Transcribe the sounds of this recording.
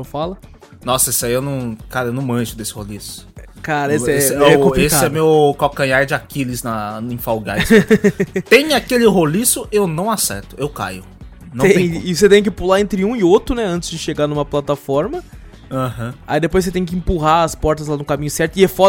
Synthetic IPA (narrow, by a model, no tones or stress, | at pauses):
ewfalɐ | nɔsɐesaiewnɐ̃w̃kaɾɐewnɐ̃w̃mɐ̃ʒʊd̪esɪ̥holisʊ̥kaɾɐeɪɛɛɛkõesɪɛmewkokɐ̃jaɾd͡ʒɪakilɪznɐnĩfawɡas | t̪ẽj̃akelɪɦolisʊʔewnɐ̃w̃asɛ̰ɾt̪ʊewka̰jʊ | nnɐ̃w̪̃t̪ɪset̪ẽj̃k̬ɪpulaẽnt̪ɾɪũɪot̪ɾʊnɛɐ̃nt͡ʃ̪ɪzd͡ʒɪʃeɡaɾnũmɐplat̪afɔɾmɐ | ɐ̃hɐ̃a̰id̪epojs̬et̪ẽj̃k̬ɪẽpuɦaɐspɔɾt̪ɐzlanʊkamĩɲʊsɛɾt̪ʊɪɛfɔ